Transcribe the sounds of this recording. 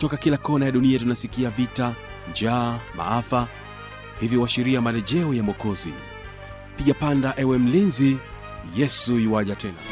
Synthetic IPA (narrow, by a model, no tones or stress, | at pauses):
tɔkakilakɔnajaɗuniatunasikiavita | nd͡ʒaːmʔa̰afa | hivjiwaʃiɾiamalɛʄɛɔjamɔkɔzḭ | piʄapandaʔɛwɛm̩linzi | jɛsuiwaʄatɛna